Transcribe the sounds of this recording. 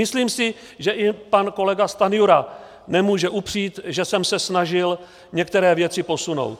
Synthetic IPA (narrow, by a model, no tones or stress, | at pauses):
ɪsliːmsɪ | ʒɛʔɪpanko̞lɛɡast̪anɪjuɾa | nɛmuːʒɛʔupr̝̥iːt̪ʒɛsɛmsɛsnaʒɪl | ɲɛk̚t̪ɛɾɛːvjɛt͡sɪpo̞suno̰wt̪